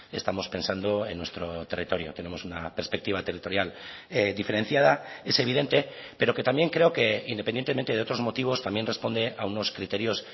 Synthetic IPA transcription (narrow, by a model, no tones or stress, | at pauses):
e̞st̪amo̞spe̞nsand̪o̞e̞nːwe̞st̪ɾo̞t̪e̞rit̪o̞ɾjo̞̰t̪e̞ne̞mo̞sunape̞ɾspek̚t̪iβat̪erit̪o̞ɾjaled̪ife̞ɾe̞n̟θjað̞ae̞se̞β̞iðe̞nt̪e̞ | pe̞ɾo̞ke̞t̪ambje̞ŋkɾe̞oke̞ind̪epenjet̪emet̪eð̞eot̪ɾo̞zmo̞t̪iβ̞o̞st̪ambjenre̞spo̞nd̪e̞ʔauno̞skɾit̪e̞ɾjo̞s